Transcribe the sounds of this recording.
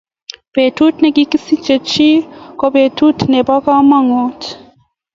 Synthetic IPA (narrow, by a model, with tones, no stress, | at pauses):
petu˦tnɛ˨ki˦ki˦si˦t͡ʃɛ˨t͡ʃi˦ko˦pe˨tu˦tnɛ˨ba˦ka˦maŋot